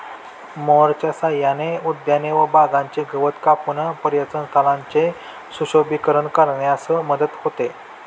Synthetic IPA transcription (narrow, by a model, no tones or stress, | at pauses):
moɾt͡ɕjasajaneud̪janeʋəbad͡zãɲt͡ɕeɡʱəʋət̪kapunəpəɾjət͡sənt̪ʰalaɲt͡ɕe | suɕobikəɾəɳkəɾɳjasəməd̪ət̪hot̪e